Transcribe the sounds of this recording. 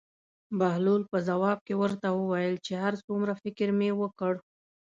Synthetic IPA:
bahlulpəzawɑb̚kewəɾt̪awəwajəlt͡ʃeɦaɾsɡumɾafɪkɪɾmewəkəɽ

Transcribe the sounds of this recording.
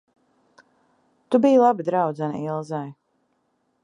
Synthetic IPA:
t̪ubijlˠabid̪ɾawd̪zan̰ilˠzaj

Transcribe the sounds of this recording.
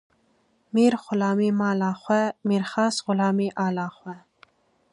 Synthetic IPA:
miɾχʊlɑːmimɑːlɑːχwɛmiɾχɑːsʁʊlɑːmiʔɑːlɑːχwɛ

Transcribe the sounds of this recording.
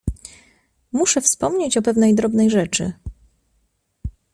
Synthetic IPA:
muʂɛfspɔmɲet͡ɕɔpɛvnɛjd̪ɾɔbnɛjʐɛt͡ʂɘ̰

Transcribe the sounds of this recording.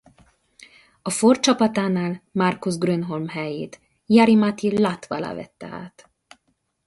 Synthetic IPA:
ɒfort͡ʃɒpɒt̪aːnaːlmarkuzɡrønɦo̞lmɦɛjḛːt̪ | jaɾimat̪ilaːt̪ʋa̰la̰ːvɛ̰t̪ːɛ̰a̰ːt̪

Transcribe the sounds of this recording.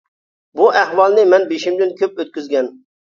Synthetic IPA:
buʔæhwɑlˠnɪmɛnbeʃɪmd̪ɪnkʲʰøp̚øt̪̚kʲyzɡʲɛn

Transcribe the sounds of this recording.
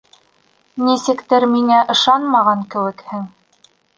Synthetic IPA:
nisɘ̆kt̪ɘɾmiŋæʔɤ̆ʃɑnmɑʁɑŋkɘ̆wɘ̆khɘŋ

